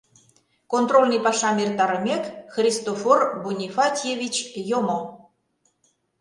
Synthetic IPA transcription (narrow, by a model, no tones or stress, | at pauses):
kont̪rolʲnɨjpɑʃɑmert̪ɑɾəmʲekxrʲist̪oforbunʲifɑt̪ʲjevʲit͡ɕjomə